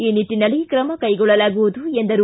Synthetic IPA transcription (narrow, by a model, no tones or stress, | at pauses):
iːniʈːinɐlijkɾɐmɐkɐjɡɔɭːɐlaːɡuʋud̪uend̪ɐɾu